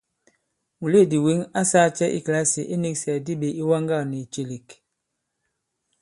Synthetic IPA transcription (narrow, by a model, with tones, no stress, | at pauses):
mu˨le˦˨di˨wi˨˦ŋa˦saː˦t͡ʃɛ˦ʔḭ˦kla˦si˨ʔi˦ni˦ksi˨a˨di˦be˨i˦wa˦ŋɡa˦˨ni˨t͡ʃe˨li˨k